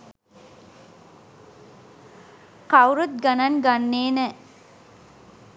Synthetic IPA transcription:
kawɾut̪̚ɡanaŋɡanːeːnə

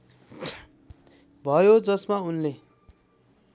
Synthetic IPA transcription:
bʱʌjod͡zʌsmaunle

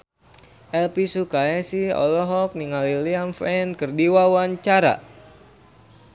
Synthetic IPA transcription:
ʔɛlpisukaɛsiɔ̰lɔɦɔk̚niŋaliliamfɛnkərdiwawaɲt͡ʃaɾa̰

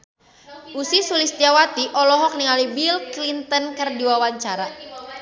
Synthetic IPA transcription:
ʔusisulist̪iawat̪iʔɔlɔɦɔk̚nialibilklint̪ənkərdiwawaɲt͡ʃaɾa

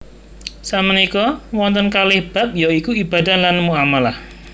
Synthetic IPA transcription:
samənikɔwɔnt̪ɔnkalɪhb̥a̤p̚jɔikuib̥a̤dahlanmuamalah

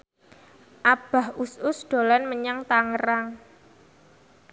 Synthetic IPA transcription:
ʔab̥a̤hʔusʊsɖ̪̥o̤lanməɲaŋt̪aŋəɾaŋ

